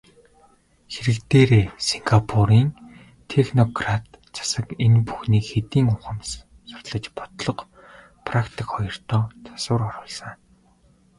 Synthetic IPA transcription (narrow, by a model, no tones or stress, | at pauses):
xeɾɘ̆kt̪eːɾeːsiŋɡapʰuɾiːn | t̪ʰexnɔɡrat̪ | t͡sʰḁsə̆kenpuxniːkxet̪iːŋʊχə̆m | sʊ̥r̥t̪ɮə̆t͡ɕpɔt̪ɮɞ̆q | pʰrakt̪ʰikχɔjɞ̆r̥t̪ɔːt͡sʰḁsʊ̆rɔɾʊːɮsə̆ŋ